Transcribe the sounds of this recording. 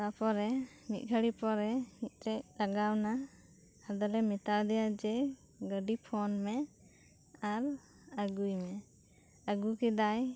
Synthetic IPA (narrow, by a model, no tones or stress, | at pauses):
apɔɾɛ | mit̪̚ˀɡʱəɽipɔɾɛmit̪̚ˀɾɛʔ̚taɡawna | ad̪ɔlɛmit̪aɾd̪ɛjad͡ʒɛ | ɡəɖipʰɔnmɛ | aɾ | əɡujmɛ | əɡukid̪aj